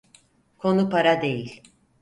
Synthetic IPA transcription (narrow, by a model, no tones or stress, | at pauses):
kʰo̞nupaɾad̪e̞jilʲ